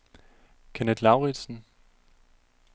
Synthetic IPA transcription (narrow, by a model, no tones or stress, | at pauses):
kʰened̥lɑʊʁi̥sn̩